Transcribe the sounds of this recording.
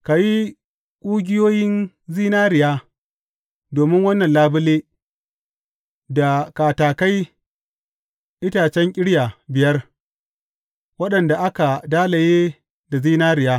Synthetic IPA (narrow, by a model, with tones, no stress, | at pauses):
ka˨ji˦ | kʷʼuː˦ɡʲɪ˦joː˦jɪ˦n | ziː˦naː˦ɾɪ˨jaː˦ | doː˨mɪ˦ŋwɐ˦nːɐ˨nlaː˦bɪ˦leː˦ | da˨kaː˨taː˨ka˦j | ʔɪ˦taː˨t͡ʃɛ˦ŋkʲʼɪ˦ɽja˨bɪ˨jɐ˦r | wɐ˦ɗɐ˨nda˨ʔa˦ka˨daː˦la˨jeː˦ | da˨ziː˦naː˦ɾɪ˨jaː˦